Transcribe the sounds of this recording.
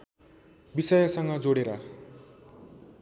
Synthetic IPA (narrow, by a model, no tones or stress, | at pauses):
bisʌjʌsʌŋɡʌd͡zoɽeɾʌ